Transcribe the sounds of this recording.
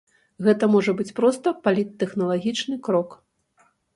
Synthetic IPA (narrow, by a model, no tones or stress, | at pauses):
ɣɛt̪ɐmɔʐɐbɨt͡sʲpɾɔst̪ɐpalʲit̪ːɛxnɐlˠaɣʲit͡ʂnɨkɾɔk